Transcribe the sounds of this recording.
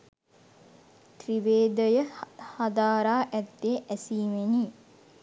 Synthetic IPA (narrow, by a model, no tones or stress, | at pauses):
t̪riʋeːd̪əjəhad̪aːɾaːʔæt̪ːeːʔæsiːmeniː